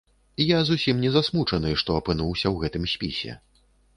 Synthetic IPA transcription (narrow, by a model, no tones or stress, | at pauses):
jazusʲimnʲɛzasmut͡ʂɐnɨʂt̪ɔɐpɨnuwsʲɐwɣɛt̪ɨmsʲpʲisʲɛ̰